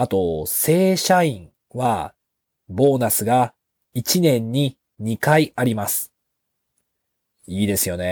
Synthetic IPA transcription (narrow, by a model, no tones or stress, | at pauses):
at̪o̞se̞ːɕaĩɴ | βa | bo̞ːnasɨɡa | it͡ɕinẽ̞ɲ̟ːi | ɲ̟ikaiaɾʲimasɨ̥ | iːd̪e̞sɨjo̞ne̞